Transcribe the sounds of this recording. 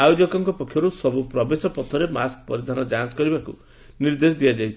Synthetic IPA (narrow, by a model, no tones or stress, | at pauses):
ajod͡ʒɔkɔŋkɔpɔkʰjɔɾusɔbupɾɔbesɔpɔt̪ʰɔɾemask̚pɔ̰ɾid̪ʱanɔd͡ʒanskɔɾibakṵ | niɾd̪esd̪ijad͡ʒajt͡ʃʰi